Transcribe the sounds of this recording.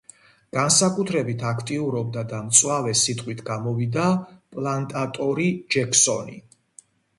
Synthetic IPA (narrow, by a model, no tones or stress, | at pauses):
ɡ̥ansakʼut̪ʰɾɛbit̪ʰakʰt̪ʼiuɾɔb̚d̪ad̪amt̪sʼwavɛsit̪ʼqʼwit̪ʰɡamɔvid̪apʼlˠant̪ʼat̪ʼɔɾid͡ʒɛkʰsɔnḭ